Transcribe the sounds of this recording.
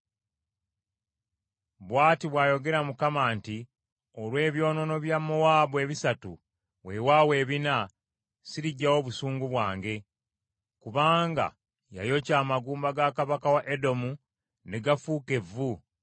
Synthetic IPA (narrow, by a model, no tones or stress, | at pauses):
βwaːtiβwaːjo̞ɡe̞ɾamukamaːnti | o̞lwe̞ːβjo̞ːno̞noβjamːowaːβoe̞ːβisatu | we̞wawe̞ːβina | siɾiɟːawo̞βusuːŋɡuβwaːŋɡe̞ | kuβaːŋɡa̰ | ja̰jo̞caːmaɡuːmbaɡakaβakawaʔedo̞mu | ne̞ɡafuːke̞vu